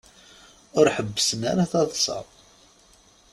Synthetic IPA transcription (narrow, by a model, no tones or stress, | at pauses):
ʊɾħəbːəsəna̰ɾaθɑðˤsˤɑ̰